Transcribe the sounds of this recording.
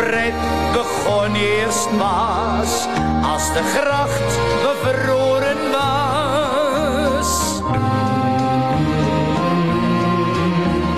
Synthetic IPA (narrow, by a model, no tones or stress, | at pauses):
rɛt̚ | bəχɔnierstmɑː | s | ɐ̰sdəχrɐχt | vəfəlːoːɾənvɐ | s